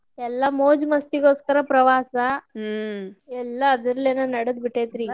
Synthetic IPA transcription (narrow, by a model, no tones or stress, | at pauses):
ɛlːɐmoːd͡ʒmɐst̪iɡoːskɐɾɐpɾɐʋaːsɐ | ɛlːɐːd̪ɐɾɐleːnonɐɽɐd̪̚biʈːeːt̪ɾi